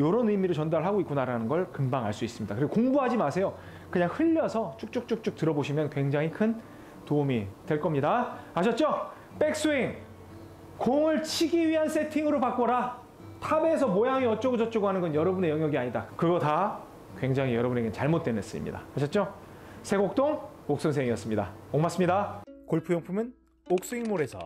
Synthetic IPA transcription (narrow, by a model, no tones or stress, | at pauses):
joɾonɯimiɾɯɭt͡ɕʌndaɾɯɭɦaɡoik͈unaɾanɯnɡʌɭkɯmbaŋɦaɭs͈uis͈ɯmɲidakɯɾiɡokoŋbuɦad͡ʑimasʰe̞jo | kɯɲaŋhɯʎːʌsʰʌt͡ɕʰuk̚t͡ɕ͈uk̚t͡ɕ͈uk̚t͡ɕ͈uk̚tɯɾʌboɕʰimjʌnkwe̞ŋd͡ʑaŋikʰɯn | toumitwe̞ɭk͈ʌmɲidaaɕʰʌt̚t͡ɕ͈o | p͈e̞k̚s͈uiŋ | koŋɯɭt͡ɕʰiɡiɥiɦans͈ʰe̞tʰiŋɯɾopak͈ʌɾa | tʰabeːsʰʌmojaŋiʌt͡ɕ͈ʌɡɯd͡ʑʌt̚t͡ɕ͈oɡoɦanɯnɡʌnjʌɾʌbune̞jʌŋjʌɡiaɲidakɯɡʌta | kwe̞ŋd͡ʑaŋɦijʌɾʌbune̞ɡet͡ɕaɭmot̚t͈wenes͈ɯḭmɲḭda̰aɕʰʌt̚t͡ɕ͈o | sʰe̞ɡok̚t͈oŋmok̚s͈ɯŋsʰeŋiʌs͈ɯmɲida̰oŋmas͈ɯmɲidakoɭpʰujʌŋpʰumɯn | ok̚s͈uiŋmoɾe̞sʰʌ̰